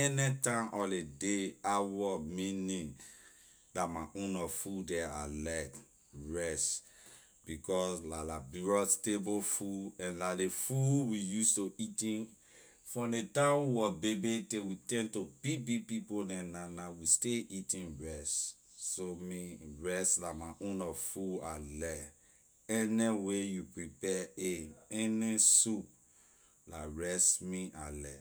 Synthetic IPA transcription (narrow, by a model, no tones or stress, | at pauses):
ɛnɛtãmʔɔledeawɔmĩnĩ | datmaʔõnɔfudɛa̰lak | ɹɛs | bikɔslalabiɹɔstebofuɛ̃nlalefuwijustoitĩn | fɔ̃detãwɔbebetewitɛ̃ntobibipipodɛ̃nanawisteʔitĩnɹɛs | somĩɹɛslamaʔõnɔvfualɛ | ɛnɛwejupɹipɛeɛnesup̚ | laɹɛsmĩʔalɛ